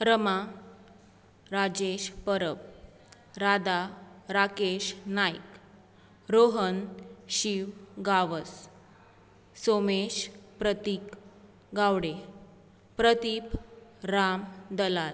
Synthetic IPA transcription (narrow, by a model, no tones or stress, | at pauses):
ɾəma | ɾad͡ʑeɕpəɾəb | ɾad̪aɾakeɕnajk | ɾoɦənɕiʋɡaʋəs | someɕpɾət̪ik | ɡawɽe | pɾət̪ipɾamd̪əlal